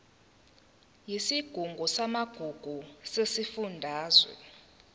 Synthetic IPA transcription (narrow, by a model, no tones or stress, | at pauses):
jisiɡ̥ʱuŋɡʱusamaɡ̥ʱuɡ̥ʱusesifundʱaːzwɛ̰